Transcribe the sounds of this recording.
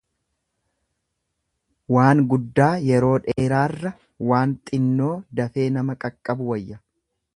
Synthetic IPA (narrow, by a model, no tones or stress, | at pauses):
waːŋɡʊd̪ːaːjɛɾo̞ːᶑeːɾaːrːɐ | waːnt̪ʼɪnːo̞ːd̪ɐfe̞ːnɐmɐkʼɐkʼːɐbʊwɐjːɐ